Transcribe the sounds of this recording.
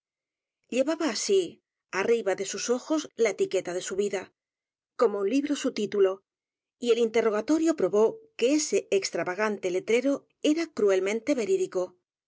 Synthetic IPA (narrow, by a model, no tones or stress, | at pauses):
ʎe̞βaβaːsi | ariβaðe̞suso̞xo̞zlaet̪ike̞t̪aðe̞suβiða | ko̞mounliβɾo̞sut̪it̪ulo̞ | ie̞lint̪e̞ro̞ɣ̞at̪o̞ɾjo̞pɾo̞βo̞ke̞ese̞ːkst̪ɾaβaɣant̪e̞le̞t̪ɾe̞ɾo̞ | e̞ɾakɾue̞lmẽ̞nt̪e̞βe̞ɾiðiko̞